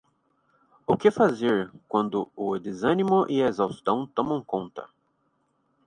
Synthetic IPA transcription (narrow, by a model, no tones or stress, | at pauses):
ʊkɪfazeɾkwɐ̃nd̪ʊʊd̪ezɐ̃nimʊʔɪezawst̪ɐ̃w̃t̪õmɐ̃w̃kõnt̪ɐ̰